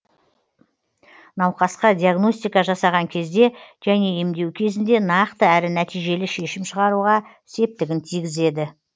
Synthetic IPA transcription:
nɑwqɑsqɑd̪ʲiaɡno̞sʲt̪ʲijkɑʒɑsɑʁɑŋkʲʰe̞zd̪e̞ʒ̥æne̞emd̪e̞wkʲʰe̞zɪnd̪e̞nɑqt̪əæɾɪnæt̪ijʒe̞lɪʃe̞ʃɪmʃəʁɑɾuʁɑ | se̞p̚t̪ɪɡʲɪnt̪ʰijɡʲɪze̞d̪ɪ

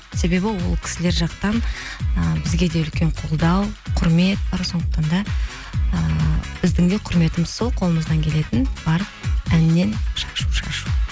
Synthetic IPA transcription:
se̞be̞bɪwo̞lˠkʲʰɪ̥sɪle̞ɾʒɑqt̪ɑnəbɪzɡʲe̞d̪e̞ʏlkʲe̞ɴqʰolˠd̪ɑwqʰʊɾme̞t̪̚bɑɾso̞nd̪əq̚t̪ɑnd̪ɑ | əb̥ɪzd̪ɪŋd̪e̞qʰʊɾme̞t̪ɪməz̥so̞lˠqʰo̞lˠəməzd̪ɑŋkʲʰe̞le̞t̪ɪnb̥ɑɾ | ænɪnːe̞nʃɑʃuʃɑ̰ʃu

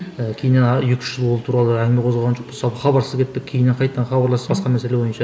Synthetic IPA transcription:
əkʲʰejɪnenjekʲɪ̥ʃɪlˠwolˠt̪ʰuɾɑlˠəæŋmʲeqʰozlˠʁɑnʒoqpəzsɑpəχɑbɑɾsəzkʲʰe̞t̪̚p̪ːɪk̚ʲʰejɪneɴqʰɑjt̪d̪ɑnχɑbɑɾlˠɑsəzbɑsqɑmæse̞lewo̞jənʃɑ

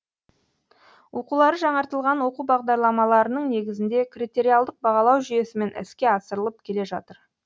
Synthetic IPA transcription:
wʔo̞qulˠɑɾəʒɑɴɑɾt̪əlˠʁɑnwo̞qubɑʁd̪ɑɾlˠɑmɑlˠɑɾənəɴne̞ɡʲɪzɪnd̪e̞krit̪e̞ɾʲijɑlˠd̪əq̚bɑʁɑlˠɑwʒʏje̞sɪme̞nʔɪ̰skʲe̞ɑsəɾəlˠəp̚kʲʰe̞le̞ʒɑ̰t̪əɾ

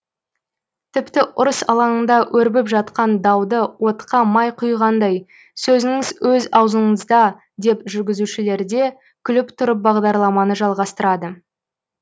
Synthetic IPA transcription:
t̪ʰɪpt̪ɪʔʊɾəsɑ̰lˠɑɴənd̪ɑwʔɵɾbɪpʒɑt̪qɑnd̪ɑwd̪əwo̞t̪qɑmɑjqʰʊjʁɑnd̪ɑj | sɵzɪŋɪzwʔɵzɑwzəɴəzd̪ɑ | d̪e̞pʒʏɾɡʲɪzuʃɪle̞ɾd̪e̞ | kʲʰʏlɪpt̪ʰʊɾəp̚bɑʁd̪ɑɾlˠɑmɑnəʒɑlˠʁɑst̪əɾɑd̪ə

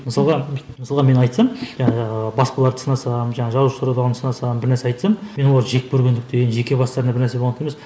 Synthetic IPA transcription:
məsɑlˠʁɑ | məsɑlˠʁɑme̞nɑjt̪sɑmʒbɑspɑlˠɑɾd̪əsənɑsɑmʒɑɴɑʒɑuʃsuɾɑd̪ɑʁɑnsənɑsɑmbɪɾnæɾseɑjt̪sɑmme̞nwoɑɾʒe̞k̚kʰɵɾɡʲe̞nd̪ɪk̚t̪enʒe̞kʲe̞bɑst̪ɑɾənɑbɪɾnæɾseoɑnʰejmes

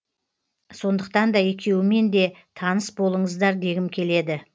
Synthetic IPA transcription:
so̞nd̪əq̚t̪ɑnd̪ɑe̞kʲe̞wɪme̞nd̪e̞t̪ʰɑnəsbo̞lˠəɴəzd̪ɑɾd̪e̞ɡʲɪmkʲʰe̞le̞d̪ɪ

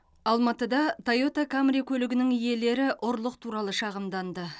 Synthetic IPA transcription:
ɑlˠmɑt̪əd̪ɑt̪ʰajo̞t̪akʰamɾʲikʲʰɵlɪɡʲɪnɪŋije̞le̞ɾɪʔʊɾlˠəq̚t̪ʰuɾɑlˠəʃɑʁəmd̪ɑnd̪ə

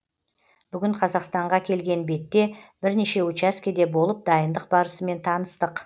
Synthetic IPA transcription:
b̥ʏɡʲɪɴqʰɑzɑqst̪ɑɴʁɑkʲʰe̞lɡʲe̞nbe̞t̪ːe̞b̥ɪɾneʃe̞wʊt͡ʃæskʲed̪e̞bo̞lˠəp̚d̪ɑjənd̪əq̚bɑɾəsəme̞nt̪ʰɑnəst̪əq

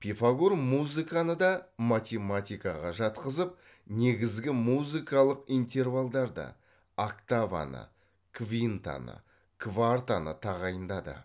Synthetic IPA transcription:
pʰʲifaɡurmuzɨkanəd̪ɑmat̪ʲe̞mat̪ʲijkɑʁɑʒɑt̪qəzəp̚ | ne̞ɡʲɪzɡʲɪmuzɨjkɑlˠəqijnt̪ʲe̞rvalˠd̪ɑɾd̪ɑ̰ | akt̪ava̰nə̰ | kvʲint̪a̰nə̰ | kvart̪anə̰t̪ʰɑʁɑjənd̪ɑd̪ə̰

